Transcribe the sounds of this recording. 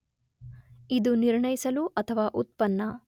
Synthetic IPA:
id̪uniɾɳɐjisɐluʔɐt̪ʰɐʋaːʔut̪̚pɐnːɐ

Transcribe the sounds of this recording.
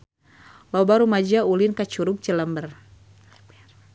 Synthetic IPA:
lɔbaɾumad͡ʒaulinkat͡ʃuɾuk̚t͡ʃələmbər

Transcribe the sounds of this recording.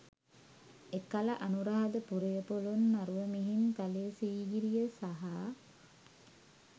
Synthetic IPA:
ekalaʔanuɾaɦad̪əpuɾejəpolunːaɾuʋəmiɦinkalesiːɡiɾijəsaɦa

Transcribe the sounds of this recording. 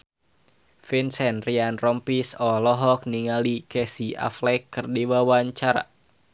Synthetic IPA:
finsɛnrianrɔmpisɔlɔɦɔk̚niŋalikɛsia̰flɛkːɨrdiwawaɲt͡ʃaɾa̰

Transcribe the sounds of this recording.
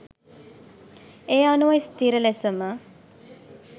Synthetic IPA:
eːanuʋɐjst̪iɾəlesəmə

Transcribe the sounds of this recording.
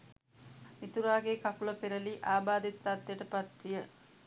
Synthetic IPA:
mit̪uɾaːɡekakulɐpeɾəliʔaːbaːd̪et̪ːat̪ːjəʈəpat̪ːijə

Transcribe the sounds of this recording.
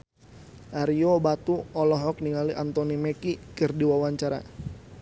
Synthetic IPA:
ʔaɾiobat̪uɔlɔɦɔk̚niŋaliʔant̪ɔnimɛkikɨrdiwawaɲt͡ʃaɾa̰

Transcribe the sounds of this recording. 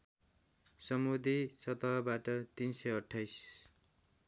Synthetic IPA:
sʌmud̪ʱisʌt̪ʌɦbaʈʌt̪insʌjʌʈʰːajs

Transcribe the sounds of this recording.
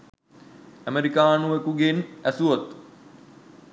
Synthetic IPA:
æmeɾikaːnuʋekuɡenæsuot̪

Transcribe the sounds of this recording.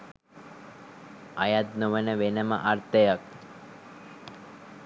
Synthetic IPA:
ajat̪̚nuʋənəʋenəmə̰ʔaɾt̪əjak̚

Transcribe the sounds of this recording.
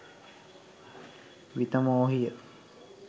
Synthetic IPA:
ʋit̪əmoːɦijə

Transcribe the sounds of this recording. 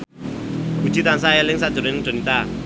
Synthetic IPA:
ɡ̥u̥d͡ʒ̥it̪ansaelɪŋsaʔd̥ʒ̥oɾenɪŋd͡ʒ̥o̤nit̪a

